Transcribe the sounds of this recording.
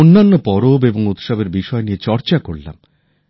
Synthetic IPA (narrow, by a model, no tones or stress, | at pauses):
onːanːopɔɾobeboŋot̪ʃabeɾbiʃɔeniet͡ɕɔɾt͡ɕakoɭla̰m